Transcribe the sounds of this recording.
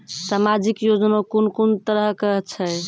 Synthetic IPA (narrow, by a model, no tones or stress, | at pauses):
samad͡ʒikjod͡ʒənakonkunt̪əɾəɦkəɦt͡ʃʰɛ